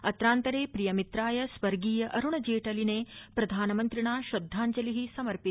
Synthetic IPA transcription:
ɐt̪ɾaːnt̪ɐɾeːpɾijɐmit̪ɾaːjɐsʋɐɾɡiːjɐʔɐɾuɳɐd͡ʒeːʈɐlineːpɾɐd̪ʱaːnɐmɐnt̪ɾiɳaːʃɐd̪ʱːaːɲt͡ʃɐliɦisɐmɐɾpi

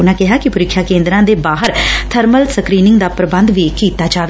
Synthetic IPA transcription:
ʊnãːkɪɦaːkɪpʊɾɪkʰːjaːkẽːnd̪ɾãːd̪eːbaːɦəɾt̪ʰəɾməlsəkɾiːnɪŋɡd̪aːpɾəbə̃nd̪ʋiːkiːt̪aːd͡ʒaːʋe

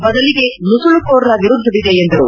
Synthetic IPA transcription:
bɐd̪ɐliɡe̞nusuɭukoːɾɐnɐʋiɾud̪ʱːɐʋid̪eːnd̪ɐɾṵ

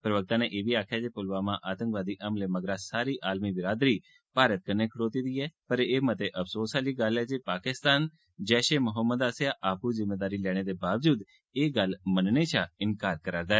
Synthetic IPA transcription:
pɾəʋək̚t̪ãːneːʔeːʋiːaːkʰjaːd͡ʒeːpʊlʋaːmãːʔaːt̪ə̃ŋkʋaːd̪iːʔəmleːməɡɾãːsaːɾiːʔaːlmiːʋɪɾaːd̪ɾiː | paːɾət̪̚kənːeːkʰəɽoːt̪iːd̪iːɛːpəɾeːmət̪eʔəpʰsoːsaːliːɡəlɛːd͡ʒepaːkɪst̪aːn | d͡ʒɛːʃeːmʊɦəmːəd̪aːsjaːʔaːpuːzɪmːeːd̪aːɾiːlɛːɽ̃eːd̪eːbaːʋd͡ʒuːd̪ | eːɡəlmənneːt͡ʃʰãɪnkaːɾkəɾaːɾd̪aːɛː

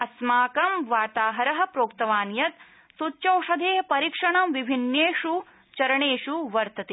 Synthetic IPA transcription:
ɐsmaːkɐmʋaːt̪aːɦɐɾɐɦɐ̆pɾoːkt̪ɐʋaːnjɐt̪ | sutːt͡ʃɐwʂɐd̪ʱeːɐpɐɾikʂɐɳɐmʋibʱinjeːʃu | t͡ʃɐɾɐɳeːʃuʋɐɾt̪ɐt̪eː

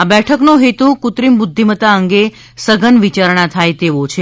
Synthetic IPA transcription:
abɛʈʰəknoɦet̪ũkut̪ɾimbud̪ʱːimət̪aəŋɡe | səɡʱənʋit͡ʃaɾɳ̃at̪ʰajt̪eʋot͡ʃʰe

